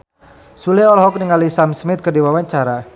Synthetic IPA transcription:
sulɛɔlɦɔk̚niŋalisamsmɪt̪̚kədiwawaɲt͡ʃaɾa

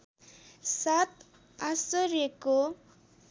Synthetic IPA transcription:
sat̪ | asʌɾjeko

